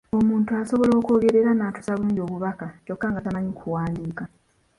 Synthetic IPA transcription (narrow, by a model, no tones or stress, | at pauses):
o̞muːntuaso̞βo̞lo̞ːko̞ːɡe̞ɾeɾanatu̥saβunujo̞ːβuβakaco̞kːaːŋɡatamaɲikʰuwaːndiːka